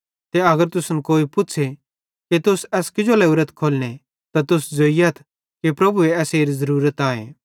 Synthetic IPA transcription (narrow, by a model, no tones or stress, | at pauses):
t̪eɐɡəɾt̪ʊsnkoːipʊtːt͡ʃʰe | kit̪ʊsɛːskɪd͡ʒolɐuːɾət̪kʰoːlne | t̪at̪ʊsd͡zoːijɐt̪ʰ | kepɾɐbueɛːseːɾizɐɾuːɾət̪aːḛ̃ː